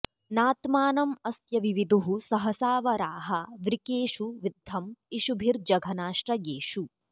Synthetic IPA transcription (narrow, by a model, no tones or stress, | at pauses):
naːt̪maːnɐmɐsjɐʋiʋid̪uɦusɐɦɐsaːʋɐɾaːɦɐʋɾikeːʃuʋid̪ʱːɐmiʃubʱiɾd͡ʒɐɡʱɐnaːʂʈɾɐjeːʃu